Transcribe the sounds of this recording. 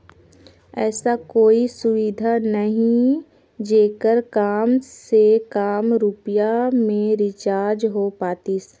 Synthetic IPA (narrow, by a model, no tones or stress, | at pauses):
ɛːsakoːisʊʋid̪ʱanəɦĩ | d͡ʒeːkəɾkaːmsekaːmɾupijamẽɾɪt͡ʃaːɾd͡ʒɦopaːt̪is